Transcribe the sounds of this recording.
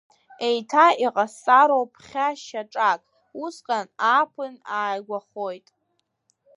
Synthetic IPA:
e̞jtʰaiqʼasaɾowpʰχʲaʃaʈ͡ʂʼakʼ | usqʲʼanapʰɨnaːjɡʷaχo̞jtʼ

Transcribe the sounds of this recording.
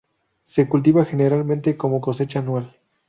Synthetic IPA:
se̞kult̪̬iβaxe̞ne̞ɾalmẽnt̪e̞ko̞mo̞ko̞se̞t͡ʃaːnwal

